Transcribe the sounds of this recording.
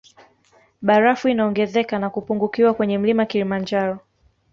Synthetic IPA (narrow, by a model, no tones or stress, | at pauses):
ɓaɾafuinaɔŋɡɛzɛkanakupuŋɡukiwakwɛɲɛm̩limakilimaɲd͡ʒaɾɔ